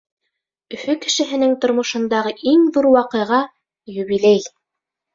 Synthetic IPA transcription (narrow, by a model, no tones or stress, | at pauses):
ɵ̆fɵkɘ̆ʃɘ̆ɦɘ̆nɘŋt̪ŏɾmŏʃɤ̆nd̪ɑʁɤʔiŋðuɾwɑqɤ̆jʁɑ | jɵ̆βilæj